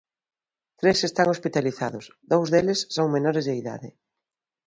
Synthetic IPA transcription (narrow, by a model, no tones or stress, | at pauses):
t̪ɾesest̪aŋospit̪aliθaðʊsðowzðelesːoŋmenɔɾezðeiða̰ðɪ